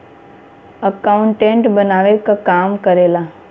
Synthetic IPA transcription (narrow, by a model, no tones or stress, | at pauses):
əkaʊ̃ɳʈẽɳʈbənaːʋekakaːmkəɾeːlaː